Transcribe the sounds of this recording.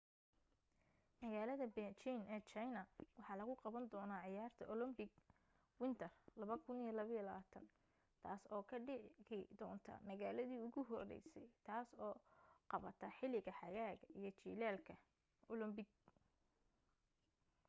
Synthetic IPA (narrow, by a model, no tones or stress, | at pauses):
mɐɣaːlɐðɐbɛt͡ʃinʔɛːt͡ʃɐjnɐwɑħɑːlɐɣʊqɑβɐnd̪ɔːnaːʕɪjaːrt̪ʰɐɔlɔmbɪɡ | wɪnt̪ʰɐrlɐβɐkʰʊnijɔlɐβɐjlɐaːt̪ʰɐ̰n | t̪ʰaːsɔːkʰɐɖɪʕɪd̪ɔːnt̪ʰɐ̰mɐɣaːlɐðiːʊɣʊɦɔrɛ̰jsɛjt̪ʰaːsɔːqɑβɐt̪ʰɐħɪlɪɣɐħɑjaːɣɐʔijɞt͡ʃiːlaːlkʰɐ | ɔlɔmbɪɡ̚